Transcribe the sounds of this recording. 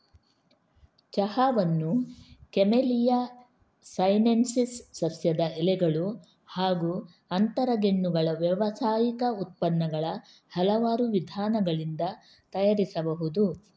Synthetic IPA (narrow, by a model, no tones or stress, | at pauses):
t͡ʃɐhaːʋɐnːukɛmelija | sɐjnensisːɐsjɐd̪ɐɛlɛɡɐɭu | haːɡu | ɐnt̪ɐɾɐɡeɳːuɡɐɭɐʋjɐʋɐsaːjikɐut̪̚pɐnːɐɡɐɭɐ | hɐlɐʋaːɾuʋid̪ʱaːnɐɡɐɭind̪ɐ | t̪ɐjaɾisɐbɐɦud̪u